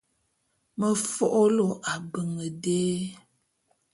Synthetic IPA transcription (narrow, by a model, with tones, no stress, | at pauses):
mə˦fɔ˦ʔo˦lo˨ʔa˨bə˨ŋə˨deː˦